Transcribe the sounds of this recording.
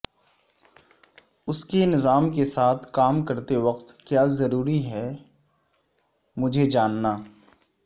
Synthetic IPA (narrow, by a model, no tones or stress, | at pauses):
ʊskenɪzaːmkesaːt̪ʰkaːmkɐɾt̪eʋɐqt̪kjaːzɐɾuːɾiɦɛ | mʊd͡ʒʱed͡ʒaːnːaː